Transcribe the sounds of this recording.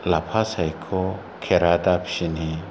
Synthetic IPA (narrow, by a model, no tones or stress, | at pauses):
lapʰasajkʰɔ | kʰɛɾad̪apʰi̥ʃini